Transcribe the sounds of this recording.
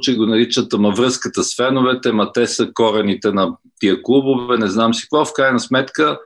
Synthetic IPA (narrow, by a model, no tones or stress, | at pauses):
t͡ʃɛɡonɐɾit͡ʃət̪əmɐvɾɤskət̪əsfɛnovɛt̪ɛmɐt̪ɛsəkɔɾɛnit̪ɛnɐt̪iəklˠubovɛnɛznamsi̥kvɔfkɾajnɐsmɛt̪kə